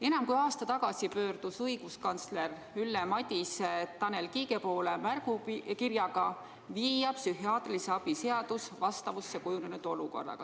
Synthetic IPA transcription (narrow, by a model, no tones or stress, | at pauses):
e̞nɑmkujɑːst̪ɑt̪ɑɡ̥ɑsipø̞ːrd̪̥usɤjɡ̥uskɑnt̪sle̞r | ylːemɑt̪ʲist̪ɑne̞lkiːɡe̞po̞ːlemærɡ̥ukirjɑɡ̥ɑ | viːjɑpsyɦiɑːt̪ˑliseɑb̥ise̞ɑd̪̥usvɑst̪ɑvusːekujunenud̪̥o̞luko̞̰rːɑ̰ɡ̥ɑ̰